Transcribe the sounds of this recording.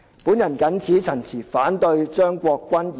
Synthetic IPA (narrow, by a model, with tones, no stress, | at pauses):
puː˨˥njɐ˨˩nkɐ˨˥nt͡sʰiː˨˥t͡sʰɐ˨˩nt͡sʰiː˨˩faː˨˥nt̪ɵ˧ɥt͡ʃœː˥ŋkʷɔː˧kːʷɐ˥nj